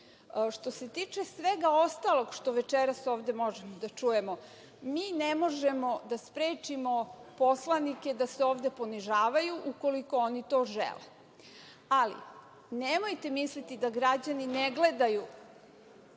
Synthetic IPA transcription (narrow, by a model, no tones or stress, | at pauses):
ʃt̪o̞se̞t̪iːt͡ʂesʋeɡao̞st̪alˠo̞ɡʃt̪o̞ʋe̞t͡ʃeɾaso̞ːʋd̪e̞mo̞ʒemod̪at͡ʃuje̞mo̞ | miːnemo̞ʒemo̞d̪aspɾeːt͡ʃimo̞po̞slanike̞d̪aseoːʋd̪e̞po̞niʒaːʋajuʔuko̞liko̞onit̪o̞ːʒḛlḛ | alḭ | nemojt̪e̞mislit̪id̪aɡɾad͡ʑanineɡle̞d̪aju